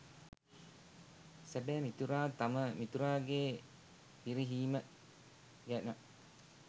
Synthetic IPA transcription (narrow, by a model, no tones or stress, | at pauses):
sæbɛːmit̪uɾaːt̪aməmit̪uɾaːɡeː | piɾiɦiːmə | ɡɛna